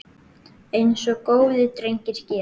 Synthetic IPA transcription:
ejnsɔkoːwðɪt̪ɾejŋ̥cɪɾ̥cɛː

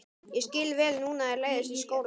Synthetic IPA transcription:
jɛscɪlvɛːlnuːnaɛɾleːjðɪsiskoːwl

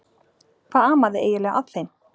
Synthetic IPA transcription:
kʰvaːðaːmaðɪʔḛːjɪlɛːɣa̰ðθejn

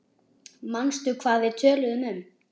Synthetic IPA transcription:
manst̪ʏkʰvaːðɪt̪ʰœːlʏðʏmʏm

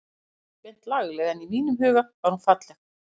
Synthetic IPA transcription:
mɛn̥t̪laɣlɛɣɛnimiːnʏmɦʏːɣavaɾhunfat̪lɛx

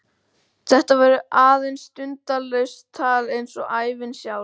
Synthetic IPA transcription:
θɛht̪avaɾʏʔaːðejnst̪ʏnt̪alœɥst̪ʰaːlejnsɔʔaːjvɪnsjaw

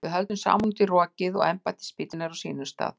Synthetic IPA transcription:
ɪɦœlt̪nʏmsa̰ːmuŋt̪ɪrɔːcɪðɔ̰ɣɛmpat̪ɪ̥spɪːt̪ɪnaɾawsiːnʏst̪a̰ːð

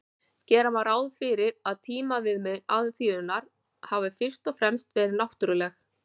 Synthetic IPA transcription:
cɛːɾamaɾaːwðfɪɾɪɾaðt̪ʰiːmavɪðmɛðɾaðθiðʏnaɾ̥ | havɪfɪr̥t̪ɔfɾɛmst̪vɛːɾɪɾnawht̪ʏɾʏlɛx

